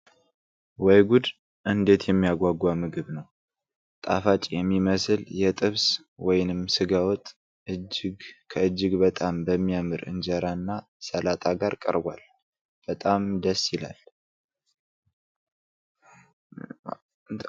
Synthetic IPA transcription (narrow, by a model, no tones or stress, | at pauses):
wɔjɡud̪ | ʔɨnd̪e̞t̪jɛmːijaɡʷaɡʷamɨɡɨβnəw | t̪ʼa̰fat͡ʃʼjɛmːiməsɨljɛt̪ʼɨβs | wɔjnɨmsɨɡawɔt̪ʼ | ɨd͡ʒɡkʰəɨd͡ʒːɪɡbət̪ʼambəmːijamɨɾɨ̰nd͡ʒəɾanːa | səlat̪ʼaɡaɾkʼə̰ɾba̰l | b̥ət̪ʼamd̪əsːjɪla̰l